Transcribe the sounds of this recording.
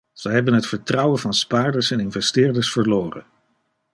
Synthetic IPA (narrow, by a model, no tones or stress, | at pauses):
z̥əjɦɛbənɦətfəɹtrʌwəvɑnspaːɹdəɹsɛnɪnvɛstɪːɹdəɹsfəɹloːrə̰